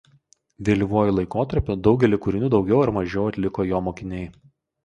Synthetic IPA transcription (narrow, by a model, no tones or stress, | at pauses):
ʋʲelʲiʋuɔjʊlˠɐɪkoːt̪ɐɾʲpʲʊd̪ɒʊɡʲɛlʲɪkʊɾʲɪnʲuːd̪ɒʊɡʲɛʊɐɾmɐʒʲɛʊɐt̪ʲlʲɪkoːjoːmoːkʲɪnʲɛɪ